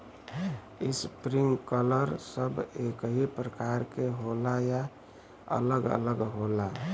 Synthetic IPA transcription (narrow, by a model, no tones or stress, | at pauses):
ispɾiŋɡkələɾsəbekɦipɾəkaɾkeɦolaja | ə̰ləɡə̰ləɡɦola